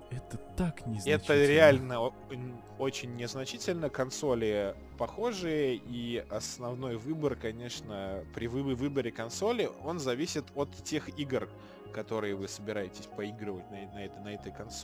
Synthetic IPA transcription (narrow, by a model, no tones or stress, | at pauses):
ɛt̪ət̪aknʲɪzɛt̪əɾʲɪalʲnə | o̞t͡ɕɪnʲːɪznɐt͡ɕitʲɪlʲnəkɐnso̞lʲɪə | pɐxo̞ʐɨjəiɐsnɐvno̞jvɨbərkɐnʲeʂnəpɾʲɪvɨɨvɨbəɾʲɪkɐnso̞lʲɪo̞nzɐvʲisʲɪt̪o̞t̪tʲːe̞xiɡr | kɐt̪o̞ɾɨjəvɨsəbʲɪɾajɪtʲɪ̥sʲpɐiɡɾəvətʲnɐɛnɐɛt̪nɐɛt̪əjkɐnso